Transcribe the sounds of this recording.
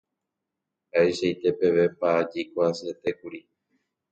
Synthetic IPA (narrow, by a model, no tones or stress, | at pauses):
haeʃait̪e̞pe̞ʋe̞pad͡ʒikʷaset̪ekuɾi